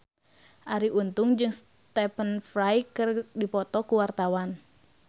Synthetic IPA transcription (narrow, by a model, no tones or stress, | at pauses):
ʔaɾiʔunt̪ʊŋd͡ʒɨŋs | t̪ɛpənfɾajkɨrdipɔt̪ɔkuwart̪awan